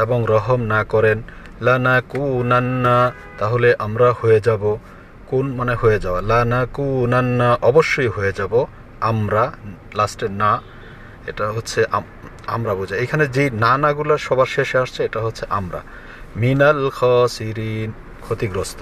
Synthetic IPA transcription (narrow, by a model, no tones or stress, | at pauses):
ebɔŋɾɔɦɔmnakɔɾen | lanakunanːa | t̪aɦoleʔamɾahojed͡ʒabɔ | kunmaneɦojed͡ʒabalanakunanːaʔɔbɔʃːɔjɦojed͡ʒabɔ | amɾa | lasʈena | eʈaɦotːsʰeʔa | a̰mɾabud͡ʒaejkʰanezinanaɡulaʃɔbaɾʃeʃast͡ʃʰeːʈaɦotːsʰeʔamɾa̰ | minalkʰɔsiɾin | kʰot̪iɡɾɔst̪ʰɔ̥